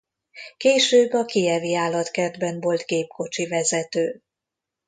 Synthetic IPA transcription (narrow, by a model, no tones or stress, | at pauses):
keːʃøːbːɒkiɛviaːlːɒt̪kɛrd̪bɛɱvo̞lt̪ɡeːpko̞t͡ʃivɛzɛt̪øː